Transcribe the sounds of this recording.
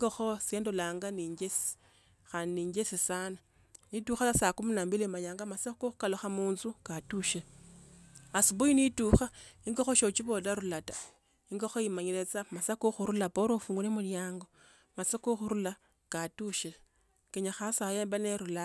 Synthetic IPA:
iŋɡoxosje̞ːndolaːŋɡaniɲɡesi̥ | xaniːɲɟesisana | nituxasasakuminambilimaɲaːŋɡamasakoxu̥kaloxamuːnzukatuʃi | asiβujinituxaiŋɡoxoʃot͡ʃiβolaɾulatḁ | iŋɡoxojimaɲilet͡samasakuxuɾulapoɾofuːŋɡulemuljaːŋɡo̞ | masakuxuɾula | katuʃi | keɲaxasajeːmbaneɾula

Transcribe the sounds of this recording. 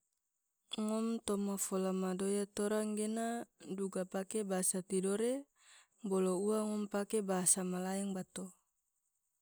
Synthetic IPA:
ŋɔmt̪omafolamadojat̪oɾaŋɡenaduɡapakebasat̪idoɾe | bolouaŋɔmpakebaɦasamalaɛŋbat̪o

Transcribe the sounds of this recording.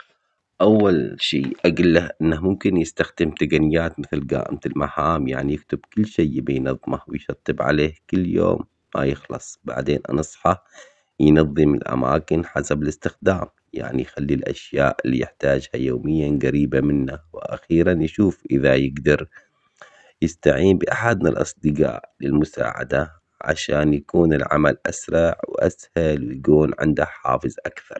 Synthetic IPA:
ʔawːalʃiːʔaɡɪlːahʔɪnːahmʊmkɪnjɪst̪axd̪ɪmt̪aɡanɪjːaːt̪mɪθlɡa̰ːʔɪ̰mt̪ɪlmaħaːmja̰ʕnijɪkt̪ɪbkʊlːʃeːbɪjnɑðˤːmahwɪjʃɑt̪ˤːɨbʕa̰leːhkʊlːjo̰ːmːa̰jɪxlɑ̰sˤba̰ʕd̪eːnʔɑ̰nɑsˤħɑ | jnɑðˤːɨmɪlʔa̰ma̰ːkɪnħasabɪlɪst̪ɪxd̪aːm | ja̰ʕnijxalːilʔa̰ʃjaːʔɪlːijɪħt̪aːd͡ʒhajoːmɪjːaɡaɾiːbamɪnːawɪʔa̰xiːɾanjʃuːfʔɪðajɪɡd̪ɑɾˤ | jɪst̪aʕiːmbɪʔaħad̪nalʔɑsˤd̪ɨɡa̰ːʔlɪlmʊsa̰ːʕa̰d̪a | ʕa̰ʃaːnjakuːnɪlʕa̰malʔasɾˤɑʕwʔashalwɪjɡuːnʕɪ̰nd̪aħa̰ːfɨzˤʔakθɑɾˤ

